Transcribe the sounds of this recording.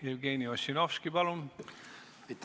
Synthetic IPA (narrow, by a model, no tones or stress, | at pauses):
ewɡeniosinofskibɑlun | it̪